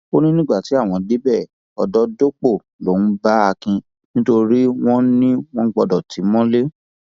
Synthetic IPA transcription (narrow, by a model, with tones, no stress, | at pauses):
o˦nĩ˦nĩ˦ɡ͡ba˦˨ti˨˦a˦˨w̃ɔ̃˧de˨˦bɛ˦˨ | ɔ˨dɔ˦do˦k͡po˦˨ | lo˨nũ˦ba˦a˧kĩ˧ | nĩ˦to˧ɾi˦w̃ɔ̃˦nĩ˦w̃ɔ̃˦ɡ͡bɔ˧dɔ˨tʰi˨˦mɔ̃˦le˦